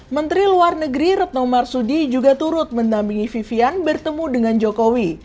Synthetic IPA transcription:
mənt̪ɾiluarnəɡɾiɾət̪̚nɔmarsudid͡ʒuɡat̪uɾʊt̪̚məndampiŋififianbərt̪əmudəŋand͡ʒokowi

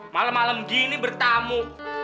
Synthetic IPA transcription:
malamːaləmɡinibərt̪amu

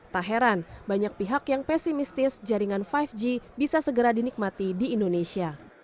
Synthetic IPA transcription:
t̪aɦeɾanbaɲak̚piɦakjaŋpɛsimist̪ɪsd͡ʒaɾiŋanfajfd͡ʒibisasəɡəɾadinik̚mat̪idiːndonesia

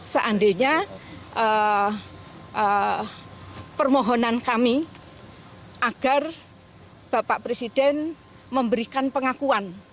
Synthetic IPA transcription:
səʔandeɲaə | ə | pərmɔɦɔnankami | ʔaɡ̥a̤r | b̥apaʔpɾesid̥ɛn | məmbəɾikanpəŋakuan

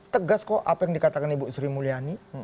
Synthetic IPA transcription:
t̪əɡaskɔʔapajaŋdikat̪akanibuʔsɾimuliani

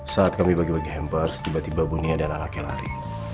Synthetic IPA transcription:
saat̪̚kamibaɡibaɡiɦɛmparst̪ibat̪ibabuniadalalakɛla̰ɾḭ

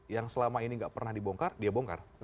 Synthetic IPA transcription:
jaŋsəlamainiŋɡaʔpərnahdiboŋkardiaboŋka̰r

